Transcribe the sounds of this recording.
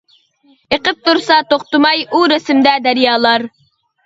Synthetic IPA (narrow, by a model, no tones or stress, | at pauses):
eqəp̚t̪ʰuɾsɑt̪ʰoχt̪ɨmɑjuɾɪsɪmd̪ɛd̪æɾjɑːlˠɑɾ